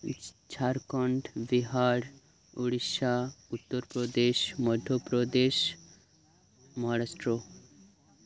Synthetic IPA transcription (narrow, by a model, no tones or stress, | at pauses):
t͡ɕʰaɾkəɳʈʋiɦaɽ | uɽiɕaut̪ːəɾpɾɔd̪eɕməd̪ʱjəpɾəd̪eɕ | məɦaɾasʈɾo